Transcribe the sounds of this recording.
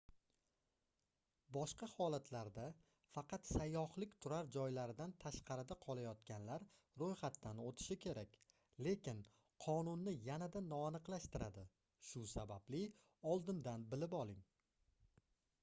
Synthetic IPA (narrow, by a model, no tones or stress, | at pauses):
bɒʃqɑhɒlat̪ʰlaɾd̪a | fɑqʰɑt̪sajːɒhlɪkʲt̪ʰʊɾaɾd͡ʒɒjlaɾɪd̪ant̪ʰaʃqʰɑɾɪd̪aqʰɒlˠajɒt̪kʲanlaɾ | ɾojχat̪ʰːanot̪ʰɪ̥ʃɪkʲʰe̞ɾakʲ | le̞kʲɪn | qʰɒnʊnːɪjanad̪anɒːnɨqlˠaʃt̪ɪɾad̪ɪ | ʃʊsabablɪ | ɒlˠd̪ɪnd̪anbɪlɪpɒlˠɪŋ